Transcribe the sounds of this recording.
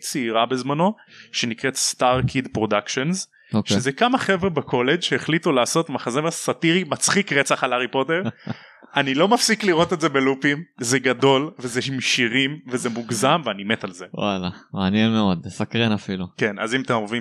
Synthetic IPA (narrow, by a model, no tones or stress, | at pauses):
t͡siiʁabe̞zmano̞ | ʃe̞nikʁet̪staʁkʰid̪pʁo̞dakʃo̞nz | oʃezekamaχe̞vʁebakʰo̞le̞d͡ʒʃeeχlitulaːso̞t̪maχazemesat̪iʁimat͡sχikʁet͡saχalaʁipo̞t̪e̞ʁ | anilo̞mafsikliʁo̞t̪e̞tzebelupimzeɡado̞lvezeʃimʃiʁimvezemuɡzamveanime̞talze̞wa̰lamaːnjenmeo̞d̪sakʁenafiluke̞nʔa̰zimat̪emovim